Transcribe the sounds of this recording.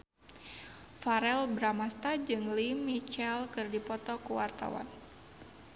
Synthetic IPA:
faɾɛlbɾamast̪ad͡ʒɨŋlimit͡ʃɛlkɨrdipɔt̪ɔkuwart̪a̰wa̰n

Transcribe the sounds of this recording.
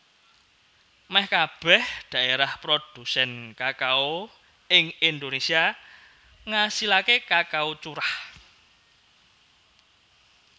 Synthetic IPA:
mɛhkab̥ɛhɖ̪̥ä̤ʔeɾahpɾod̪̥ṳsɛnkakao | ɪŋind̪onesia | ŋasilakekakaut͡ʃuɾah

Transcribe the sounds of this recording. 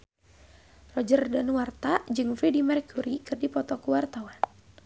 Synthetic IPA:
rɔd͡ʒərdanwart̪ad͡ʒɨŋfɾidimɛɾkuɾikɨrdipɔt̪ɔkuwart̪awan

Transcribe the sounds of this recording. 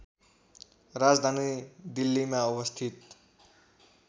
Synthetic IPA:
rad͡zd̪ʱanid̪ilːimaubʌst̪ʰit̪

